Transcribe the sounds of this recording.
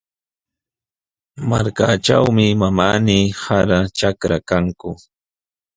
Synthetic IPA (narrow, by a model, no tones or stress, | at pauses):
maɾka̰ʈ͡ʂawmɪmamaːniːhaɾaʈ͡ʂakɾakaŋkʊ